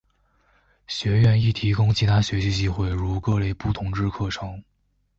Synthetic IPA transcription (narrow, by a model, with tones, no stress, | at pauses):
ɕɥɛ˧˥ɥɛ˥˧ni˥˩t̪ʰi˧˥kʊ˥ŋt͡ɕʰi˧˥t̪ʰa˥ɕɥɛ˧˥ɕi˥t͡ɕi˥xwe˥˩ɪɻu˧˥kɤ˥˧le˥˧ɪpu˥˩t̪ʰʊ˧˥ŋʈ͡ʂɻ̩˥˧kʰɤ˥˩ʈ͡ʂʰɤ˧˥ŋ